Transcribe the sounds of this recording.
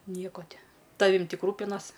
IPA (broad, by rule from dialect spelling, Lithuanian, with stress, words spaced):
ˈnʲiɛkoː ˈtʲɪ ˈtɑːʋʲɪm ˈtʲɪk ˈruːpʲɪnɐs